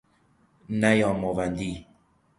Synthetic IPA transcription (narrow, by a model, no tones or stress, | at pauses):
najɔ̃mɔvandi